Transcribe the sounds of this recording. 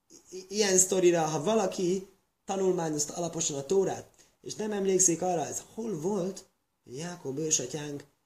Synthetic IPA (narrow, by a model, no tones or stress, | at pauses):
ijɛnst̪o̞ɾiɾɒɦɒvɒlɒki | t̪ɒnulmaːɲo̞st̪ɒlɒpo̞ʃɒnɒt̪oːɾa̰ːt̪̚ | ḛːʃnɛmɛmleːksikɒrːɒɛzho̞lvo̞lt̪ | ho̰ɟjaːko̞bøːʃɒcaːŋk